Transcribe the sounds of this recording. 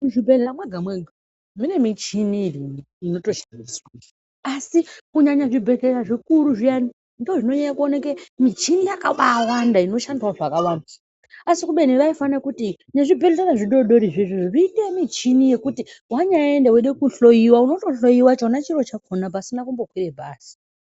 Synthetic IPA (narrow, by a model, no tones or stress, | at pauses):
ʐibʱeeamweɡʱamweɡʱa | mine̞mit͡ʃiniri | ino̞to̞ʃandiswa | asikuɲaɲaʐibʱe̞ɮeɾaʐikuɾuʐijani | ndoʐinoɲaɲakuonakemit͡ʃinijakaɓawandaino̞ʃandiswaʐakawanda | asikuɓe̞niʋaifanakuti | ɲeʐibʱeretaraʐiɗo̞ɗo̞ɾiʐiʐiʐiritemit͡ʃinije̞kutiwaɲaendeweɗekuɬo̞jiwauno̞to̞ɬo̞jiwat͡ʃanat͡ʃiɾo̞t͡ʃakʰonap̬asinakumbo̞kwirebʱaːsi̥